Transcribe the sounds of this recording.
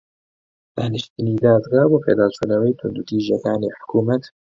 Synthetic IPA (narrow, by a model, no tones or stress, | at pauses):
d̪a̰ːnɨʃt̪ɨniːd̪aːd̪ɡaːboːpʰḛːd̪aːt͡ʃʰuːnɐwɛjt̪ʰʊnd̪ut̪ʰiːʒɐkaːniːħʊ̥kuːmɐt̪